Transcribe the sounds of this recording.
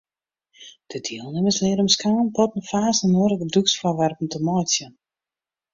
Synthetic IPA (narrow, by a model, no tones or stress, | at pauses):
d̥ədiəlˠnɪməslɪəɾəmskaːnpɔtn̩faːsənuəɾəɡəduksfɔrʋɛrpn̩təmɔjsjə